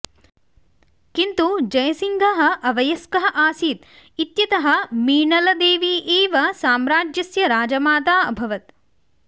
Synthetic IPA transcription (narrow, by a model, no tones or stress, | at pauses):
kint̪ud͡ʒɐjɐsiŋɡʱɐɦɐ̆ʔɐʋɐjɐskɐɦɐ̆ʔaːsiːt̪ | it̪jɐt̪ɐɦɐ̆miːɳɐlɐd̪eːʋiːʔeːʋɐsaːmɾaːd͡ʒjɐsjɐɾaːd͡ʒɐmaːt̪aːɐbʱɐʋɐt̪̚